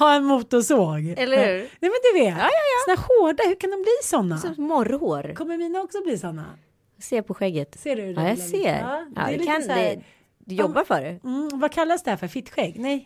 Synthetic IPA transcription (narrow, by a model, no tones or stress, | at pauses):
haɛnmuːt̪ʊsoːɡɛlːəɾhʉːɾnɛjmɛnd̪ɵveːt̪ːsɔnæːɾhoːɖahɵkʰand̪ɔmbliːsɔnːaɔmɔɾhoːɾkʰɔmːəɾmiːnaɔksɔbliːsɔnːa̰ | seːpʰɔɧɛɡːət̪seːɖɵɛjasḛːd̪a̰d̪ɛlːk̪ad̪ɛ | d̪jɔbːaɾfœɖɛm̩vakʰalːasd̪ɛhæːɾfœɾfɪt̪ːɧɛɡːnɛj